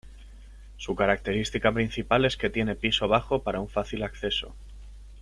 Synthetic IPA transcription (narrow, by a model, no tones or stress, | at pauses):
sukaɾak̚t̪e̞ɾist̪ikapɾin̟θipale̞ske̞t̪je̞ne̞piso̞β̞axo̞paɾauɱfaθilakθe̞so̞